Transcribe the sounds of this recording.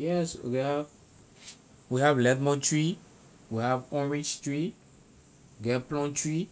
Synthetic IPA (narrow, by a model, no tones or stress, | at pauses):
jɛswḭɡɛhav | wihavlɛtmɔ̃tɹi | wihavɔ̃ɹĩd͡ʒtɹi | iɡplɔ̃ntʰɹi